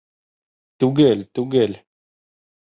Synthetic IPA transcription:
t̪uɡelt̪uɡel

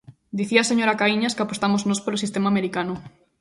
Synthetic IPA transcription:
d̪iθiaseɲoɾakaiɲaskapost̪amoznospoɾosist̪emameɾikanʊ

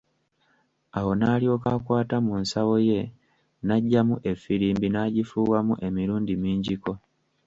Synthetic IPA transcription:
aho̞naːlio̞ːkakwaːtamunsawo̞je̞ | naɟːamuʔe̞fːiɾiːmbinaːɟifuːwamuʔe̞miɾuːndimiːɲɟiko̞

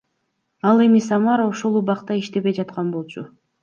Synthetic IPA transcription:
ɑlˠe̞misɑmɑɾoʃo̞lˠuβɑqt̪ɑiʃt̪e̞βe̞jd͡ʒɑt̪qɑnbo̞lˠt͡ʃʰʊ

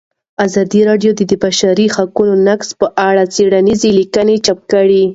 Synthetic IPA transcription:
azɑd̪iɾɑɖjod̪əd̪əbaʃaɾixakunonakspəʔaɽat͡seɽanizelikənet͡ʃap̚kəɽi

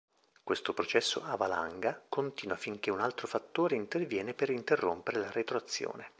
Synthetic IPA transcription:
kwest̪opɾot͡ʃɛsːo̰avala̰ŋɡakont̪iːnwafiŋk̟eunalt̪ɾofat̪ːoːɾeint̪ervjɛːnepeɾint̪erːo̰mpeɾelaɾet̪ɾoat̪sːjo̰ːne

